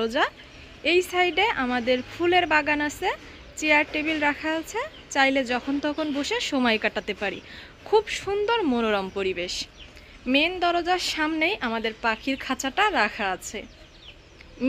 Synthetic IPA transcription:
od͡ʑa | ejsajɖeʔamad̪eɾfʰuleɾbaɡanasʰe | t͡ɕeaɾʈebilɾakʰaat͡ɕʰe | t͡ɕajled͡ʑɔkʰont̪ɔkʰonboʃeʃomɔjkaʈat̪epaɾḭ | kʰubʃund̪oɾmonoɾɔmpoɾibeʃ | mend̪ɔɾod͡ʑaɾʃamnejʔamad̪eɾpakʰiɾkʰat͡ɕaʈaɾakʰaat͡ɕʰe

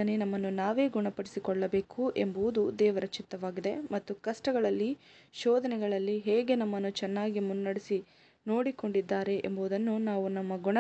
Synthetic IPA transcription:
ɐnenɐmːɐnːunaːʋe̞ːɡuɳɐpɐɽisikɔɭːɐbe̞ːkuʔḛmbuud̪ud̪ɛːʋɐɾɐt͡ʃit̪ːɐʋaːɡid̪e̞mɐt̪ːukɐʂʈɐɡɐɭɐlːi | ʃɔːd̪ɐnɛɡɐɭɐlːiɦeːɡe̞nɐmːɐnːut͡ʃɛnːaːɡimunːɐɽisi | no̞ːɽiko̞ɳɖid̪ːaːɾe̞ʔembuʋd̪ɐnːunaːʋunɐmːɐɡuɳɐ

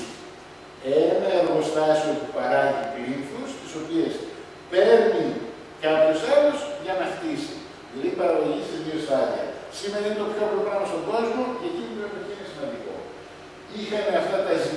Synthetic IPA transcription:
enɐeɾɣo̞st̪ɐsiopupɐɾɐʝikliɱfust̪iso̞pies | pe̞ɾni | kɐpçuselusʝɐnɐxt̪isi | lipɐɾɐɣoʝicist̪izioesɐðiɐ̰simeɾɐinet̪o̞pço̞pɾoɣɾɐmɐst̪o̞ɡo̞zmo̞cːcinipepet̪tesinesimɐnd̪iko̞̰ | ixɐmeɐft̪ɐt̪ɐzi

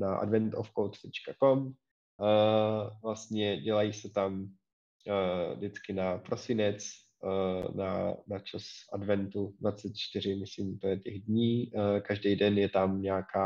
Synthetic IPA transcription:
naʔa̰dvɛnt̪ofkowt̪t̪ɛt͡ʃkako̞m | vlast̪ɲɛɟɛlajisɛt̪am | dɪt͡skɪnapɾo̞sɪnɛt͡sː | na̰nat͡ʃasʔadvɛnt̪udvat͡sɛt̪̚t͡ʃt̪ɪɾ̝ɪmɪslimt̪ojɛcɛɣdɲiːkaʒdɛjdɛnjɛt̪amɲaːkʰaː

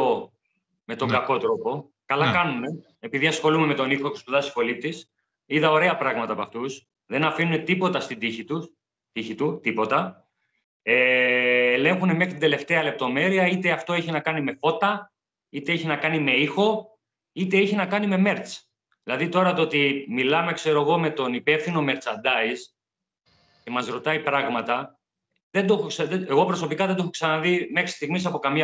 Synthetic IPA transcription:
o | me̞t̪o̞ŋɡɐko̞t̪ɾo̞po̞ | kɐlɐkɐnune̞ | epiðiɐsxo̞lumeme̞t̪o̞nixo̞cespuðɐsi̥fo̞lipt̪is | iðɐo̞ɾe̞ɐpɾɐɣmɐt̪ɐːpɐft̪us | ðe̞nɐfinune̞t̪ipo̞t̪ɐst̪id̪içit̪us | t̪içit̪ut̪ipo̞t̪ɐ | eː | lẽ̞ŋxunemexɾt̪ind̪e̞le̞ft̪e̞ɐle̞p̚t̪o̞me̞ɾiɐit̪e̞ɐft̪o̞eçinɐkɐnime̞fo̞t̪ɐ | it̪e̞eçinɐkɐnime̞ixo̞ | it̪e̞eçinɐkɐnime̞me̞ɾt͡s | ðilɐðit̪o̞ɾɐt̪oot̪imilɐmekse̞ɾo̞eɣo̞me̞t̪o̞nipe̞fθino̞me̞ɾt͡sɐnd̪ɐis | ce̞mɐzɾo̞t̪ɐipɾɐɣmɐt̪ɐ | ðed̪oxoksɐðeeɣo̞pɾo̞so̞pikɐðed̪oxoksɐnɐðime̞xɾi̥st̪iɣmis̬ɐpo̞kɐmɲ

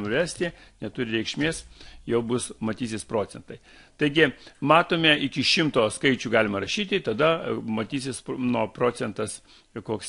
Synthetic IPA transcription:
nʊʋʲæsʲt̪ʲenʲɛt̪ʊɾʲɪɾʲɛɪkʃʲmʲeːsjɛʊbʊsmɐt̪ʲiːsʲɪspɾoːt͡ssʲɛnt̪ɐɪ | t̪ɐɪɡʲɪmɑːt̪oːmʲeɪkʲɪʃʲɪmt̪oːskɐɪt͡ʃʲuːɡɑːlʲɪmɐɾɐʃʲiːt̪ʲɪt̪ɐd̪ɐmɐt̪ʲiːsʲɪsnuɔpɾoːt͡s̪ʲɛnt̪ɐs | koːks

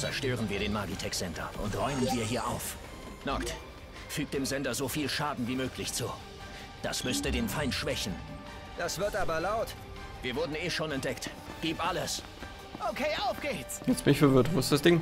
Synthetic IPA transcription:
t͡sɛ̰ɐʃtøːʁ̞ənviːɐɾeːnmaɐɡitʰɛkz̥ɛndɐ̰ʔʊ̰ntʁɔʏmənviːɐɦiːɐʔa̰ʊf | nakt | fyːk̚td̥eːmzɛndɐzoːfiːlʃaːdn̩viːmøːklɪçt͡suː | d̥a̰smʏstədeːnfaɪntʃv̥ɛçn̩ | d̥asv̥ɪɐtʔaːbɐlaʊt | v̥iːɐvʊɐdn̩eːʃoːnɛnt̚d̥ɛkt | ɡ̥iːpʔaləs | ʔokʰeːʔaʊfɡ̥eːt͡sjɛsmɪçfɛɐvʏɐtvosd̥asd̥ɪŋ

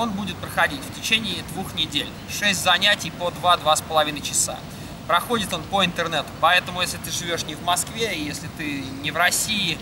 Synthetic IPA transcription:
o̞nbudʲɪt̪̚pɾəxɐdʲitʲftʲɪt͡ɕenʲɪːd̪vuxnʲɪdʲelʲ | ʂɛsʲtʲzɐnʲætʲɪjpod̪vad̪vaspəlˠɐvʲinəjt͡ɕɪsa̰ | pɾɐxo̞dʲɪt̪o̞npəɪnt̪ɨrnɛt̪ʊ̥pɐɛt̪əmʊjesʲlʲɪt̪ɨʐɨvʲo̞ʂnʲɪvmɐskvʲeɪjesʲlʲɪt̪ɨnʲɪvɾɐsʲiɪ

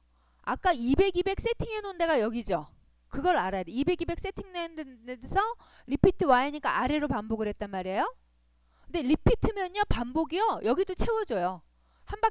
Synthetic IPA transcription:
ak͈aibe̞ɡibe̞k̚s͈e̞tʰiŋenonde̞ɡajʌɡid͡ʑo | kɯɡʌɾɯɾaɾajadeibe̞ɡibe̞k̚s͈e̞tʰiŋnensʰʌ | ɾipʰitʰɯwaɦeɲik͈aʔaɾe̞ɾopamboɡɯɭɦe̞t̚t͈anmaɾiejo | kɯnde̞ɾipʰitʰɯmjʌɲʌpamboɡiʌjʌɡidot͡ɕʰe̞wʌd͡ʑʌjo | hanba

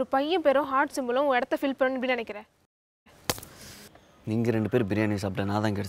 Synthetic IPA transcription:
ɾɯpɐjːɐ̃peːɾõɦaːɾʈsɪmbɐlʊ̃ɛɽɐt̪ːɐfɪlpeɾõnɪpːɐɽɪnɐnɛkːɪɾẽː | niːŋɡɐɾɛɳɖɯpeːɾbɪɾɪjaːnisɐpːɐɽĩnãːt̪ãːŋkɛɽ

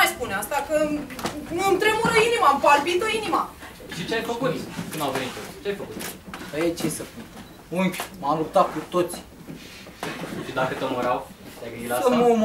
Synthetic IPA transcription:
ajspuneast̪akə | ɨnt̪ɾemuɾoinimampalbit̪oinima | ʃit͡ʃeajfəkut̪kɨnd̪awvenit̪̚ot͡ʃeajfəkut̪əjet͡ʃesəpun | umpʲmamlup̚t̪at̪̚kut̪o̞t̪sʲ | ʃid̪akət̪əmuɾaw | t̪ajɡɨnd̪ilamum

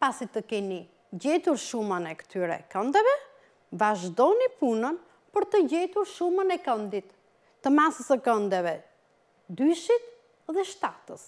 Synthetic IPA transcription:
pasit̪əkɛni | ɟɛt̪uɾʃumənɛkə̥t̪yɾɛ̰kənd̪ɛvɛ | vaʒd̪ɔnipunən | pəɾt̪əɟɛt̪uɾʃumənɛkənd̪it̪ː | əmasəsəkənd̪ɛvɛ | d̪yʃit̪ | ðɛʃt̪at̪əs

